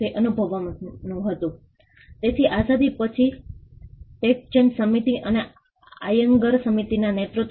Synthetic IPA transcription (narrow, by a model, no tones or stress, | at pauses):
eʔənubʱəʋanũɦət̪ũ | t̪et̪ʰiʔasad̪ʱipət͡ʃʰi | ʈek̚t͡ʃənsəmit̪iʔəne | ajəŋɡəɾsəmit̪inanet̪ɾut̪